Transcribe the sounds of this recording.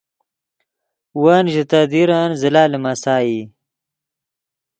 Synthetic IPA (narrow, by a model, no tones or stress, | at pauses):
wanʑit̪ad̪iɾanzilaːlemasaːji